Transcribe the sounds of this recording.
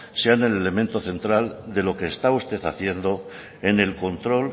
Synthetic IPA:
seane̞le̞le̞mẽnt̪o̞θe̞nt̪ɾald̪e̞lo̞ke̞ːst̪aust̪e̞θaθje̞nd̪o̞ | ene̞lko̞nt̪ɾo̞l

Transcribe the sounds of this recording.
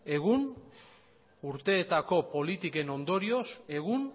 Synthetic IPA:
e̞ɣun | uɾt̪e̞ːt̪ako̞po̞lit̪ike̞no̞nd̪o̞ɾio̞se̞ɣ̞un

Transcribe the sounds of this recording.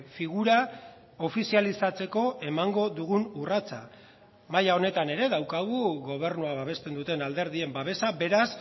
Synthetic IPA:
fiɣuɾa | o̞fisialisat͡se̞ko̞e̞maŋɡo̞ðuɣunurat͡sa | majao̞ne̞t̪ane̞ɾe̞ðawkaɣ̞uɣo̞β̞e̞ɾnuaβaβ̞e̞st̪e̞nd̪ut̪e̞nald̪e̞ɾð̞ie̞mbaβ̞e̞sabe̞ɾas

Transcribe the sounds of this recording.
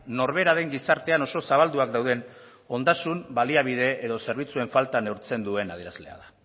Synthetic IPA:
no̞ɾβe̞ɾaðe̞ŋɡisaɾt̪e̞ano̞so̞saβald̪uakd̪awð̞e̞n | o̞nd̪asumbaliaβ̞iðe̞eðo̞se̞ɾβ̞it͡sue̞ɱfalt̪anewɾt͡se̞nd̪ue̞naðieɾazle̞a̰ða

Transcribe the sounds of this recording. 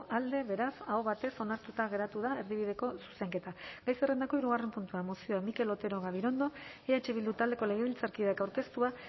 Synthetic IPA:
ʔald̪e̞βe̞ɾasaoβat̪e̞so̞naɾt̪ut̪aɣ̞e̞ɾat̪uðae̞ɾðiβ̞iðe̞ko̞su̥se̞ŋke̞t̪aɡajsere̞nd̪ako̞iɾuɣare̞mpunt̪uamo̞sioamike̞lo̞t̪e̞ɾo̞ɣ̞aβ̞iɾo̞nd̪o̞eat͡ʃe̞βild̪ut̪ald̪e̞ko̞le̞ɣ̞eβilt͡saɾkiðakawɾke̞st̪ua

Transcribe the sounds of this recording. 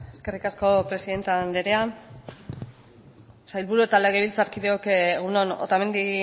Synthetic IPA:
e̞ske̞rikasko̞pɾe̞siðe̞nt̪eand̪eɾe̞a | sajlβuɾue̞t̪aleɣeβilt͡saɾkiðeokːɣ̞unono̰t̪ame̞nd̪i

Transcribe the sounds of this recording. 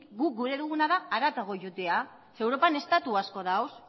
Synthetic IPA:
ɡuk̚ɡuɾe̞ðuɣunaðaːɾat̪aɣo̞ʝut̪ea | se̞wɾo̞pane̞st̪at̪uasko̞ðaws

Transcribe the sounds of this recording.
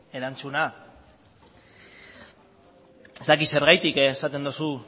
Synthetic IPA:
e̞ɾant͡suna | e̞zt̪akise̞ɾɣajt̪ikːsat̪e̞nd̪usu

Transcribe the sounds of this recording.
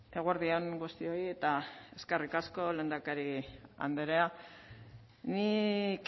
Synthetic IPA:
e̞ɣwaɾðioŋɡust̪io̞ie̞t̪ae̞skerikasko̞le̞ːnd̪akaɾia̰nd̪eɾea | nik

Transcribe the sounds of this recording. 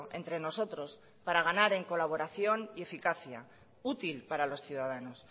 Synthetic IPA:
ʔe̞̰nt̪ɾe̞no̞so̞t̪ɾo̞s | paɾaɣ̞anaɾe̞ŋko̞laβo̞ɾaθjo̞nie̞fikaθja̰ | ut̪ilpaɾalo̞sθjuðaðano̞s

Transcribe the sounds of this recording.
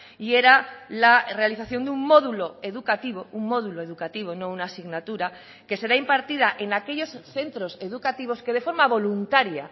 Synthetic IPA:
ie̞ɾalare̞aliθaθjo̞nd̪ummo̞ðulo̞e̞ðukat̪iβ̞o̞ummo̞ðuloe̞ðukat̪iβ̞o̞no̞unaːsiɣnat̪uɾa | ke̞se̞ɾaimpaɾt̪ið̞aʔenake̞ʎo̞sθe̞nt̪ɾo̞se̞ðukat̪iβ̞o̞ske̞ð̞e̞fo̞ɾmaβo̞lunt̪aɾja̰

